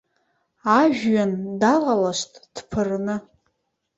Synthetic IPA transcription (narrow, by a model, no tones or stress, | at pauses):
aʒᶣɥandalalaʃʷtʼd̥pʰɨrnɨ